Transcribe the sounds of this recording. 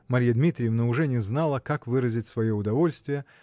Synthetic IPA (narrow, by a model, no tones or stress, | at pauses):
mɐɾʲijəd̪mʲit̪ɾʲɪjəvnəʊʐɛnʲɪznalˠəkakvɨɾəzʲɪtʲsvɐjoʊd̪ɐvo̞lʲst̪vʲɪjə